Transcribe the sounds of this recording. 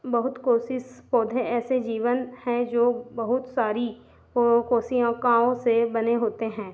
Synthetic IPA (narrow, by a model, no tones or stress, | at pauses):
bɐɦʊt̪koːsɪspɔːd̪ʱeɛːsed͡ʒiːʋənhɛ̃d͡ʒoːbɐɦʊt̪saːɾi | koːsijãkãːõsebɐneɦoːt̪eɦɛ̃ː